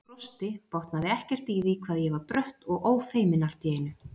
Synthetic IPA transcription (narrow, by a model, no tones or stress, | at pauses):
ɾɔst̪ɪpowht̪naðɪɛhcɛr̥t̪iːðikʰvaːðjɛvaɾpɾœht̪ɔɣoːwfeːjmɪnal̥t̪jɛːjɪnʏ